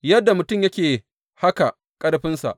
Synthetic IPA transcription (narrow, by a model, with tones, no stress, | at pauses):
jɐ˦dːa˨mʊ˨tʊ˦˨mjɐ˦kʲeː˨ | ha˦ka˨ | kʼɐ˦ɽɸɪ˦nsa̰˨ʔ